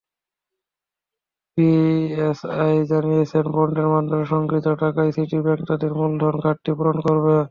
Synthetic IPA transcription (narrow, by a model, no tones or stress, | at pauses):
piesajd͡ʑanijet͡ɕʰenbɔɳɖeɾmad̪ʱɾaʃɔŋkɾit̪oʈakajsiʈibɛkt̪ad̪iɾmuld̪ʱɔnkaʈːipuɾonkoɾbe